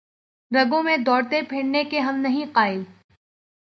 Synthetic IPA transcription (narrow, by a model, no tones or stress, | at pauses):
ɾɐɡõmẽd̪ɔːɽt̪epʰeːɽnekeɦɐmnɐɦĩqaːɪl